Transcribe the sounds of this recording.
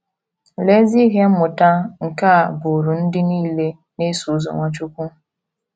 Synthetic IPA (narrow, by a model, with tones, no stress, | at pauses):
le˦zi˦ɣe˦m̩˦mʊ˨ta˦ŋ̩˨ka˦˨bʊ˨ɾu˨n̩˦dɪ˦niː˦le˦ | ne˦su˨zo̰˨ŋʷa˨t͡ʃu˦kʷu˦